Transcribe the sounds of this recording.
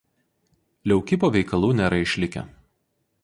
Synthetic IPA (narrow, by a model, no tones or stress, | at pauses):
lʲɛʊkʲɪpoːʋʲɛɪkɐlˠuːnʲɛɾɐɪʃʲlʲɪkʲɛ̰